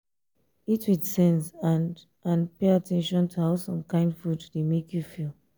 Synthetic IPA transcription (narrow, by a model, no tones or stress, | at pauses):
itwidsɛ̃nzãn | ãnpeatʰɛ̃nʃɔ̃ntʰuaʊsɔ̃mkãɪ̃ndfudtudemekjufilˠ